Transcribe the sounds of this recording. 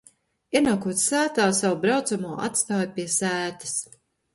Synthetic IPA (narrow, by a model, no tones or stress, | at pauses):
iɛnaːkuɔt̪ssæːt̪aːsawubɾawt̪samuːʔa̰t̪st̪aːjpʲiɛsæːt̪ḁs